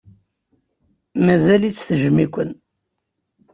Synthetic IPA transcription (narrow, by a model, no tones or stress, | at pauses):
mæzælit͡sːθəʒmikʷən